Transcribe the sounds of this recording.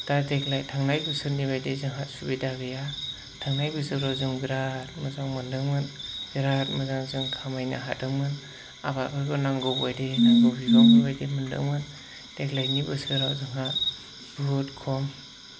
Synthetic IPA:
dateklajtʰaŋnajbɯsɯɾnibajdezɯŋɦat̚subidaɡɯja | tʰaŋnajbɯsɯkɾawzɯŋbiɾat̚mɯzaŋmɯndɯŋmɯnb̥iɾat̚mɯzaŋzɯŋkʰamajna̰ɦat̚ɯŋmɯn | a̰bakɯɾɡɯnaŋɡɯbɔjdenaŋɡɯbiɡɔnibajdemɯndɯ̰ŋmɯn | teklajnibɯsɯɾawzɯŋɦa | bɯtkʰɔm

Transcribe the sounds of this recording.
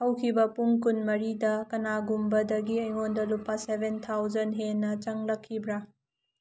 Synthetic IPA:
hɐwkʰibɐpuŋkunmɐɾidɐkɐnaɡumbɐdɐɡiɐjŋondɐlupːɐsebʱent̪ʰawd͡ʒɐnɦenːɐt͡ʃɐŋlɐkʰːibɾa

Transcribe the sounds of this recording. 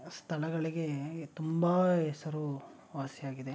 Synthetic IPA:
st̪ʰɐlɐɡɐɭiɡe̞t̪umbɐɦɛsɐɾu | ʋaːsjjaːɡid̪e̞

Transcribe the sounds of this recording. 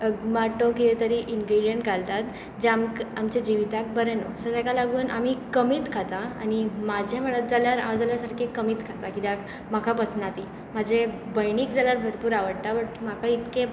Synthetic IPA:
maʈokiet̪əɾiʔinɡɾiɽijəɳʈɡʱalt̪at̪ | d͡ʑeamkamt͡ɕed͡ʑiʋit̪ak̚bəɾeno̰səd̪akalaɡuːnʔam̤iːkəmiːt̪kʰat̪aa̰nimad͡ʑʱem̤əɭət̪̚d͡zaljaɾã̰wd͡zaljasaɾkʰekəmiːt̪kʰat̪akit̪ak | makʰapət͡snat̪i | m̤əd͡ʑebəjniːkd͡zaljaɾbʱəɾpuːɾaʋəɽt̪aʋəʈmakʰait̪kẽ

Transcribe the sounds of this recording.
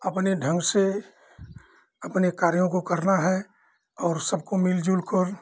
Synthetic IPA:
ɐpneɖʱə̃ŋɡse | ɐpnekaːɾjõkokɐɾnaɦɛ | ɔːɾsəb̚komɪld͡ʒuːlkəɾ

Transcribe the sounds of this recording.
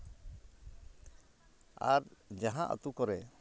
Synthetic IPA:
aɾd͡ʒaɦãʔə̰t̪ukɔɾɛ

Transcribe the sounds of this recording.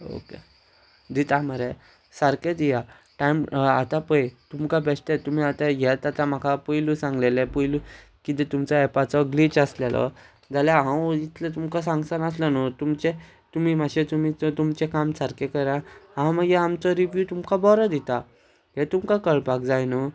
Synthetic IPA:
o̰kḛ | d̪it̪amaɾe | saɾked̪ija | ʈajmat̪apəjt̪umkabɛsʈ̪et̪um̤iat̪ajɛt̪at̪ãm̤akʰapəjlusãŋɡlelepəjlu | kit̪̬ɛt̪umt͡saɛpat͡sɔɡlit͡ɕaslelə̰ | d͡zaljaɦãwit̪lət̪̬umkasãŋɡsanaslənɔt̪umt͡ɕe | t̪um̤iːmaɕet̪umit͡st̪umt͡ɕekamsaɾkekəɾaɦãməɡeamt͡sɔɾiʋjut̪umkabɔɾəd̪it̪a | ɦɛt̪umkakəɭpak̚d͡zajnə

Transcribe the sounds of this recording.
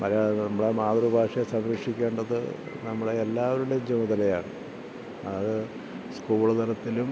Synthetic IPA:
mɐɾɐnɐmːɐɽemaːd̪rubʱaːʂɐjɐsɐmɾɐkʂikʲːeːɳɖɐðɨ̰ | nɐmːɐɽeelːaːʋɐɾuɽeɲd͡ʑɐmuðɐlɐjaːɳɨ̰ | ɐɐðɨ | skuːɭɐt̪ɐɾɐt̪ːilum

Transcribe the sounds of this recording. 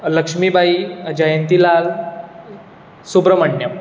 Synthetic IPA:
ləkʂmibʱaiəd͡ʑəjənt̪ilal | subɾəməɳːjəm

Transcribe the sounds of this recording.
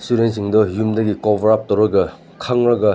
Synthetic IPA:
suɾensiŋdɔjumdɐɡikobʱɐɾap̚tɐwɾɐɡɐ | kʰaŋɾɐɡɐ

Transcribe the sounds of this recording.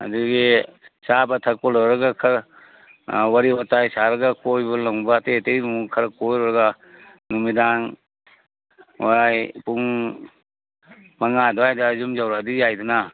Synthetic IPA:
ɐ̰duɡisabɐtʰakɔlɔɾɐɡakʰɐɾ | waɾiɔtajsaɾɐɡakojbɐlaŋbaːtetejbmukʰɐɾɐkojɾɔɾɐɡa | numidaŋ | ajpuŋ | maŋadɔajdazumzawɾadizajduna

